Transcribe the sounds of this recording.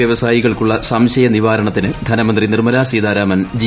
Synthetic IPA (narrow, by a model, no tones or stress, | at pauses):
jɐʋɐsaːjiɣɐɭkuɭːɐsɐmɕɐjɐniʋaːɾɐɳɐt̪ːinɨd̪ʱɐnɐmɐnd̪rinirmɐlaːsiːd̪aːɾaːmɐnd͡ʑi